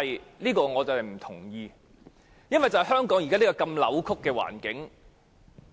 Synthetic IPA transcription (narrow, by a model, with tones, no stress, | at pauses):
jliː˥kɔː˧ŋɔː˨˧t͡sɐ˨whɐ˨jm̩˨˩t̪ʰʊ̰˨˩ŋjiː˧ | jɐ˥nwʋɐ˨jt͡sɐ˨whɐ˨jɦœː˥ŋkɔː˨˥ŋji˨kaː˥li˥kɔː˧kɐ˧mlɐ̰˨˧wkʰʊ˥kːɛː˧wa̰ː˨˩nkɪ˨˥ŋ